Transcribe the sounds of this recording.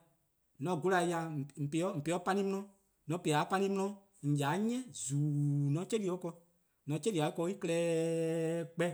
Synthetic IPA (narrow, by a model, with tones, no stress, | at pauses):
nɔ̃˨ɡu˦la˨˧ja˧˨m̩˨pe˨ɔ˦m̩˨pe˨˦ɔ˦pa˧nĩ˦mũ˦ɔ̃˦ | nɔ̃˨˦pe˨a˨˦pã˧nĩ˦m̩ũ˦ɔ̃˦ | ŋ̩˨ja˨˦ɲɛ̃˦zuː˨nɔ̃˨˦t͡ʃe˦li˨˦ɔ˦kɔ˧ | nɔ̃˨˦t͡ʃe˦li˨a˨i˦kɔ˧˦i˦kɛː˦ | k͡pɛ˦